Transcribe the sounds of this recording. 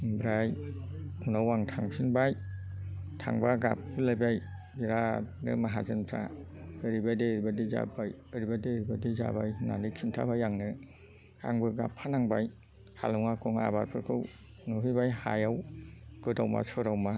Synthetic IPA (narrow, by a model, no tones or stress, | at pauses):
bɾaj | unawaŋtʰaŋsʰinbaj | tʰa̰ŋbaɡa̰p̚ɯlajbaj | biɾanɯ̰maɦazɯnpʰɾa̰ɯɾibajdeɾibadiza̰bajɯɾibadeɾibadiza̰bajna̰nɯkʰimtʰa̰bajaŋnɯ | a̰ŋbɯɡa̰pʰːanaŋbaj | ha̰lɔŋakʰɔŋa̰baɾpʰɯɾkʰɯw | nɔɦɯjbajha̰jawɡ̥ɯdawma̰sɔɾawma